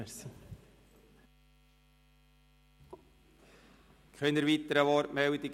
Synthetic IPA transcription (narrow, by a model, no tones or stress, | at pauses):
əs | kʰœnəɾʋit̪əɾəʋɔɾmɛwd̪iɡ